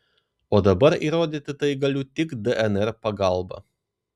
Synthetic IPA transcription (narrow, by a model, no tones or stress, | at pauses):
oːd̪ɐbɐɾḭːɾoːd̪ʲiːt̪ʲɪt̪ɐɪɡɐlʲʊt̪ʲɪkd̪ɛʔɛnɛɾpɐɡɐˑlˠbɐ̰